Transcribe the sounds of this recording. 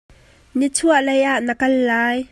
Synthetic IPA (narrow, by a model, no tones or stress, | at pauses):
nit͡sʰuəʔlejʔaʔnəkɐlːaːj